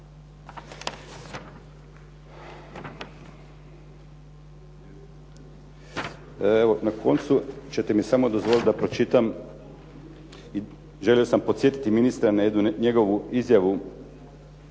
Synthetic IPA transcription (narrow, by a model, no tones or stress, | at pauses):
eʋo̞nakʰo̞nt̪sut͡ɕe̞t̪emisamo̞d̪o̞zʋo̞lit̪̚d̪apɾo̞t͡ʃit̪am | i | ʒe̞lio̞sampo̞t̪sje̞t̪i̥t̪iminist̪ɾanajed̪nuɲe̞ɡo̞ʋuizjaʋu